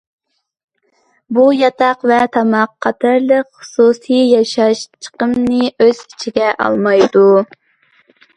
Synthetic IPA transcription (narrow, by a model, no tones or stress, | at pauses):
bujɑt̪ʰɑqvɛt̪ʰɑmɑqʰːɑt̪ʰɨɾlˠəqχʊ̥susijjɑʃɑʃt͡ʃʰə̥qəmnɨøz̥i̥t͡ʃʰiɡʲɛʔɑ̰lˠmɑjd̪u